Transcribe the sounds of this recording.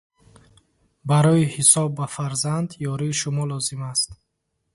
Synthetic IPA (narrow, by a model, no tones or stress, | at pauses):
baɾɔihisɔbːafaɾzand̪jɔɾiːʃumɔlɔzimast̪